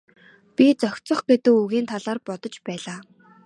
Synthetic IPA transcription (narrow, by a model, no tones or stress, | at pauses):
pʲit͡sœxʲt͡sɞ̆χɡet̪ɘ̆kuɣiːnt̪ʰaɮaːrpɔt̪ɞ̆t͡ɕpæːɮaː